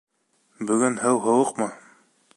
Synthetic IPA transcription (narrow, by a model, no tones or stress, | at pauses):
bɵ̆ɡɘnhɘwɦɤ̆wɤqmɤ